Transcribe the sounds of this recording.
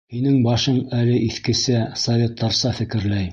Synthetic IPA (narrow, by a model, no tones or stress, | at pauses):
hinɘŋbɑʃɤɴælɘʔiθkɘ̆sæsɐvʲet̪ːɑɾsɑfɘ̆kɘ̆ɾlæj